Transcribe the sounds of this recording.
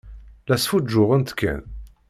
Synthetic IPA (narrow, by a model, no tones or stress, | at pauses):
læsfud͡ʒːʊʁənt̪kːæ̰n